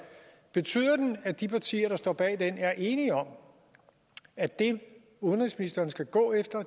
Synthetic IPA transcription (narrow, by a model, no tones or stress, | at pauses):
b̥e̝t͡sʰy̰ːð̞̰ˠɐd̥enæd̥ipʰɑ̈t͡sʰḭːɐɾ̥ɑ̈sd̥ɒ̰ːb̥ɛ̰ːd̥enæɐʔe̝ːniɒ̽m | æd̥e̝ | uðən̩ʁisminisd̥ɐːnsɡ̥æɡ̥ɔ̰̽ːefd̥ɐ